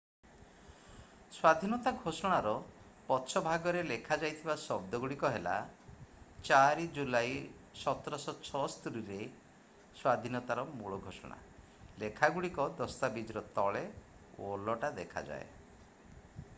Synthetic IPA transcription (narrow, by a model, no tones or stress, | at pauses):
swad̪ʱinɔt̪aɡʱosɔɽ̃aɾɔ | pɔt̪ːʃʰɔbʱaɡɔɾelekʰad͡ʒajt̪ʰibasɔb̚d̪ɔɡuɽikɔɦela̰ | t͡ʃaɾid͡ʒulaj | sɔt̪ɾɔsɔt͡ʃʰɔst̪uɾiɾe | swad̪ʱinɔt̪aɾɔmuɭɔɡʱosɔ̰ɽ̃a̰ | lekʰaɡuɽikɔd̪ɔst̪abid͡ʒɾɔt̪ɔɭe | o̰lɔʈad̪ekʰa̰d͡ʒa̰e